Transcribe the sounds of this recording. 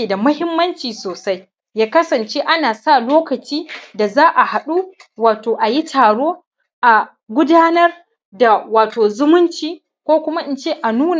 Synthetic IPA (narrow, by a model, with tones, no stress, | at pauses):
e˨da˨mʊ˦hɪ˦mːɐ˦nt͡ʃiː˨soː˨sa˦j | jaː˦kɐ˦sɐ˨nt͡ʃe˦ʔa˦naː˨sa˦˨loː˦kɐ˨t͡ʃiː˦da˨zaː˦ʔa˨ha˨ɗu˦ | waː˨toː˨ʔa˨ji˦tʰaː˨ɽoː˦ | ʔa˨ | ɡʷʊ˦daː˦nɐ˦r | da˨waː˨toː˨zʊ˦mʊ˦nt͡ʃiː˨ | kʷoː˦kʷʊ˦ma˦ʔɪ˨nt͡ʃeː˦ʔa˨nuː˦n˨